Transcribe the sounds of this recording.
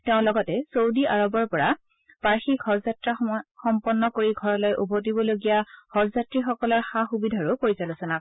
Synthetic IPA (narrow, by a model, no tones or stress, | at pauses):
teʊ̃lɔɡɔtɛsowdiaɹɔbɔɹpɔɹa | paɹxiɡʱɔɹzatɹaxɔmpɔnːɔkoɹiɡʱɔɹɔlɔjʔubʱotibɔloɡijaɡ̥ɔɹzatɹixɔkɔlɔɹxaxubidʱaɹʊpoɹizalʊsɔnak̚